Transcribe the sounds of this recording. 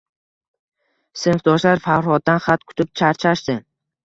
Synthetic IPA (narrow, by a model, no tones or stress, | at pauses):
sɪnfd̪ɒʃlaɾfaχɾhɒt̪̚d̪ːanχat̪kʰʊ̥t̪ʰɪp̚t͡ʃʰaɾt͡ʃʰaʃd̪ɪ